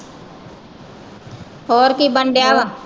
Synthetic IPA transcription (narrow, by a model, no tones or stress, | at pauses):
hoːɾkibəɳɖjaːʋã